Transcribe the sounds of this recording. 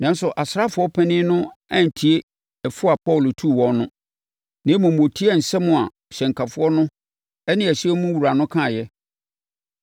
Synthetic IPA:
nã˨˦n˦sʊ˨ʔa˨sɾa˦fʊ˨˦ɔ˦pʰɛ̃˦nɪ̃˦nʊ̃˦ã˦˨n̩˨tʰi˨e˦ | ɛ˨fʊ˦a˨pʰɔ˦˨lʊ˨tʰu˦˨wɔ̃˨˦nnʊ̃˦ | nɪ̃˨˦mʊ̃˨m̩˨o˨tʰi˦ɛ˦˨n̩˨sɛ˦mʊ̃˨a˨ɕɛ̃˨ŋ˨kʰa˨fʊ˦ɔ˦nʊ̃˦ | ɛ˦nɪ̃˦æ˨ɕi˦ɛ˦mũ˦wu˨ɾa˨nʊ̃˦kʰã˦˨jɛ˦

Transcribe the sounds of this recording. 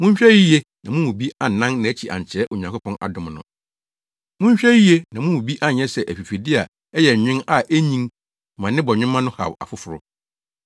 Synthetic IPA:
mʊ̃˦ɲ̩˦ɕᶣɛ˦ji˦je˦nã˨mũ˦mũ˨bi˦a˨nːã˦nnã˨æ˦t͡ɕʰi˨ʔa̰˨ɲ˨t͡ɕʰɛ˨˦ʔo˨ɲã˨kʰʊ˦pʰɔ̃˦nʔa̰˨dʊ̃˨mnʊ̰̃˨ | mʊ̃˦ɲ˦ɕᶣɛ˦ji˦je˦nã˨mʊ̃˦ũ˨bi˦ʔa˦˨ɲɛ̃˦sɛ˨ʔæ˨ɸi˨fi˨dɪ˦a˨ | ɛ˦jɛ˨ɲᶣɪ̃˦na˨ʔæ˦ɲĩ˦n˨ | mã˨nɪ̃˦bɔ˨ɲᶣɪ̃˦mã˦nʊ̃˦ha̰˨wa̰˨fʊ˦fʊ˨ɾʊ˦

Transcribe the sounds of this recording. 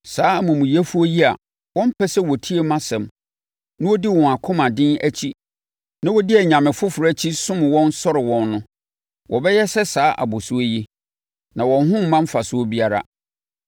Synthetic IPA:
saː˨˦mʊ̃˨mũ˨jɛ˦fu˦o˦ji˦a̰˨ | wɔ̃˦m̩˦pʰɛ˦sɛ˦wɔ˨tʰi˦e˨mã˦sɛ̃˨m | nã˦wɔ˦di˦wɔ̃˨a˨kʰʊ̃˦mã˨dɪ̃˦næ˦t͡ɕʰi˦ | nã˦wɔ˦dɪ˦ɛ˨ɲã˨mɪ̃˨fʊ˦fʊ˨ɾɛ˦t͡ɕʰi˦sʊ̃˦m˨wɔ̃˦n˦sɔ˦ɾɪ˨wɔ̃˦nːʊ̃˦ | wʔɔ˨bɛ˦jɛ˦sɛ˦saː˦ʔa̰˨bʊ˨sʊ˦o˦ji˦ | nã˨wɔ̃˨n˦ɦʊ̃˦m̩˦mã˦m̩˦fa˨sʊ˦o˦bi˦a˦ɾa̰˦

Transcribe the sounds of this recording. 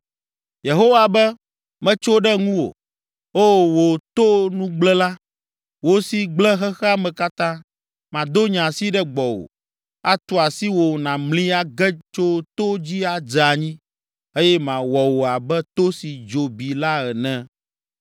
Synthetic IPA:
je˨ɦo˦wa˨bɛ˦ | mɛ̃˦t͡ʃo˦ɖɛ˦ŋũ˦wo̰˨ | o˦˨wo˨t̪o˦nũ˦ɡ͡blɛ˦la˦ | wo˨si˨ɡ͡blɛ˦ɦɛ˦xɛ˦a˦mɛ̃˨ka˦t̪ã˦ | mã˨d̪o˦ɲã˨si˦ɖɛ˦ɡ͡bɔ˨wo̰˨ | a˦t̪o˨a˨si˦wo˨nã˨mlĩ˦a˦ɡɛ˦t͡ʃo˦t̪o˦d͡ʑi˦a˨d͡ʒɛ˨a˨ɲĩ˦ | e˦jɛ˦mã˨wɔ˨wo˨a˨bɛ˦t̪o˦si˨d͡ʒo˨bi˨la˦ɛ˨nɛ̃˦

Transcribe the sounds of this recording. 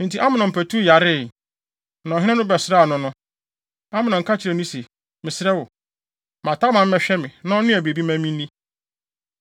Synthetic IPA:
n̩˨tʰi˨˦ʔa˦mɪ̃˨nɔ̃˨m̩˨pʰæ˨tʰu˦ja˨ɾɪ˦˨ | nã˨ɦɪ̃˦ɛ̃˦nʊ̃˦bɛ˨sɪ˨ɾa˦˨nʊ̃˦nʊ̃˦ | a˦mɪ̃˨nɔ̃˨ŋ̩˨kʰa˦t͡ɕʰɪ˨ɾɛ˨nʊ̃˦se˨ | mɪ̃˨sɪ˦ɾɛ˦wʊ˨ | mã˨tʰa˦mã˨m̩˦mɛ˦ɕᶣɛ˦mɪ̃˨nã˦nɪ̃˦ɛ˨be˨bi˦mã˦mĩ˦nĩ˦

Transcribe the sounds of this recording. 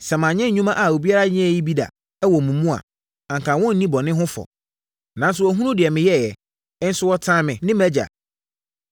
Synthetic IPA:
sɛ˨mã˨ɲɛ̃˦ɲ̩˨ɲᶣũ˦mã˦ʔa˨o˨bi˦a˦ɾa˦ɲɪ̃˦ɛ˦˨ji˦bi˦da̰˨ | ɛ˦wɔ˨mũ˨mũ˦a̰˨ | ã˨ŋkʰã˨wɔ̃˦n̩˦nĩ˦bɔ˨nɪ̃˦ɦʊ̃˦fɔ̰˨ | nã˨˦n˦sʊ˨ɔ˨ɦũ˦nũ˦dɪ˨ɛ˨mɪ̃˨jɛ˦˨jɛ˨˦ | n̩˦sʊ˦wɔ˦tʰã˦mɪ̃˨nɪ̃˦mæ˦d͡ʑa̰˨

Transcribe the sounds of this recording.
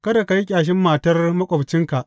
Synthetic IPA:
kɐ˦da˨ka˨ji˦kʲʼaː˨ʃ̬ɪ˦mːaː˨tɐ˦rmɐ˦kʷʼɔ˨bt͡ʃɪ˦ŋka˨ʔ

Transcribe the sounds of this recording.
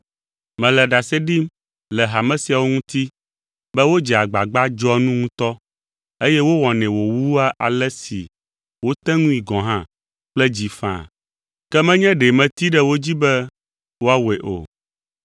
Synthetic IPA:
mɛ̃˨lɛ˨ɖa˨sɛ˦ɖi˦m | lɛ˨ɦa˨mɛ̃˦si˨a˨wo˦ŋũ˦t̪i˦ | bɛ˦wo˦d͡ʒɛ˨a˨ɡ͡ba˨ɡ͡ba˦d͡ʒɔ˦nũ˦ŋũ˦t̪ɔ˦ | e˦jɛ˦wo˦wɔ̃˨nɛ̃˨wo˨wu˦a˦ʔa̰˨lɛ˦sḭ˨ | wo˦t̪ɛ̃˦ŋũ˦i˨ɡɔ̃˨ɦã˦ | k͡plɛ˦d͡ʑi˨fã̰˦˨ | kɛ˦mɛ̃˦ɲɛ̃˦ɖe˨mɛ̃˨t̪i˦ɖɛ˦wo˦d͡ʑi˦bɛ˦ | wo˦a˦we˨ʔo̰˨

